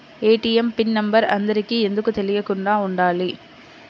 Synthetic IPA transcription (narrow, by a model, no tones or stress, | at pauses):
eːʈːɪjɛmpɪnnɐmbɐɾɐnd̪ɐɾɪkːɯɛnd̪ɯkːɯt̪ːɛlɪjɐkːɯɳɖaːʊɳɖaːli